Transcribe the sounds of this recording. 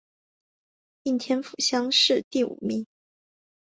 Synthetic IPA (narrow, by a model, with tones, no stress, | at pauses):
i˥˩nt̪ʰjɛ˥nfu˨˩ɕjɑ˥ŋʂɻ̩˥˧t̪i˥˩ṵ˨˩mi˥˩ŋ